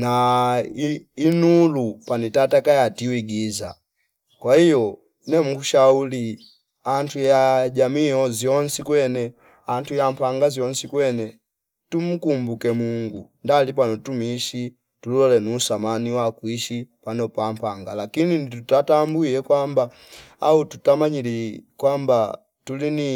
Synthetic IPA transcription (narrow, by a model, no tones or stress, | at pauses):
na | inulupanitatakajatiwiɡiza̰ | kwahijɔ | nɛmukuʃauli | antujaɟamihɔzjɔnsikwɛnɛ | antujampaŋɡazjɔnsikwɛnɛ | tum̩kumbukɛmuŋɡundalipanɔtumiʃi | tulɔlɛnuːsamaniwakwiʃipanɔpampaŋɡalakininitutatambuiɛkwamba | aututamaɲilikwamba | tulini